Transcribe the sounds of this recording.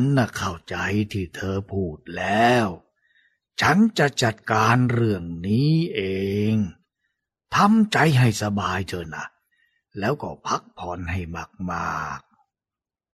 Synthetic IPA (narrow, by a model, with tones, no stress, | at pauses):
nːa˧˩kʰa˧˩wt͡ɕa˧jt̪ʰiː˧˩t̪ʰɤː˧pʰuː˨˩t̪̚lɛː˦˥w | t͡ɕʰa˦˥nt͡ɕa˧˩t͡ɕa˨˩t̪̚kaː˧nɾɯ˧˩əŋniː˦˥ʔeː˧ŋ | t̪ʰa˧mt͡ɕa˧jɦa˥˩jsa˧baː˧jt̪ʰɤː˧na˧˩ | lɛː˦˥wkɔː˧˩pʰa˦˥k̚pʰɔː˧nha˥˩jma˨˩k̚maː˧˩˧k̚